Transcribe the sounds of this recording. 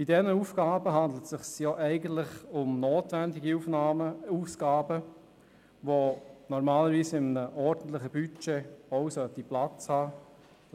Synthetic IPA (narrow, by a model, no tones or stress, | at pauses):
b̥idɛnəuːfɡ̥aːbəɦɑnd̪l̩tsɪχsjoʔɛɪɡən̩tlɪχʊmnoːtvɛndɪɡiufnaəuːsɡ̥aːbə | ʋonɔɾmaːləɾviːsɪmənəʔɔɾd̥ən̩tlɪχəb̥yt͡ʃeɔwsœtiplat͡shɑː